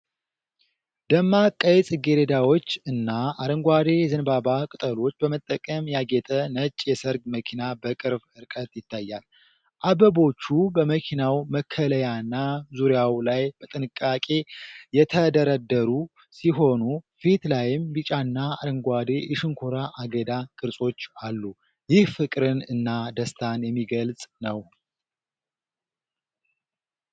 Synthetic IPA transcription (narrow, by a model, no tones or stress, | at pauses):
d̪əmːakʼːəjɛt͡sʼɨɡeɾed̪awo̞t͡ʃːɨnːaaɾəŋɡʷad̪e̞ɛzənbabakʼɨt̪ʼəlo̞t͡ʃːbəmət̪ʼːəkʼəmjaɡɛt̪ʼənət͡ʃʼːjɛsəɾɡməkʰinabəkʼɨɾbɨɾkʼət̪jɪt̪ʰːajːal | ʔabəbo̞t͡ʃːubəməkʰinawməkʰːələjanːazuɾjawlajbət̪ʼɨnɨkʼːakʼe̞jɛt̪ʰəd̪əɾəd̪ːəɾu | siɦo̞nu | fit̪lajɪmbɨt͡ʃʼanːaaɾɨŋɡʷad̪eʔɛʃɨŋkʰoɾaʔaɡəd̪akʼɨɾsʼo̞t͡ʃːalːu | jɪhfɨkʼɾɨnɨnːad̪əst̪ʰanjɛmːiɡəlsʼnəw